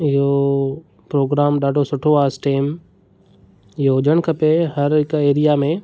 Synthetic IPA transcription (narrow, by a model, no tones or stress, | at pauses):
ɪɦo | pɾoːɡɾaːmɗaːɖʱosʊʈʰoaːsʈeːm | ɪɦoɦʊd͡ʒəɽ̃kʰɐpeɦɐɾɦɪkeːɾijamẽ